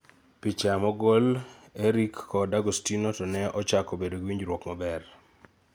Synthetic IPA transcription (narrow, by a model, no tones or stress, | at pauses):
pit͡ʃamɔɡoleɾikːɔdaɡostinotɔnɛɔt͡ʃakobedoɡwiɲd͡ʒɾwokmɔbɛr